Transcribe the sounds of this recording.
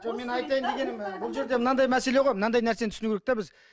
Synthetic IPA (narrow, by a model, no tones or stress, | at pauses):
ʒome̞nɑjt̪ɑjəmd̪e̞ɡʲe̞nɪmbʊlˠʒe̞ɾd̪e̞mənɑd̪ɑjmæse̞le̞ʁo̞jmənɑnd̪ɑjnæɾsent̪ʰʏsnuɡʲeɾek̚t̪ebɪz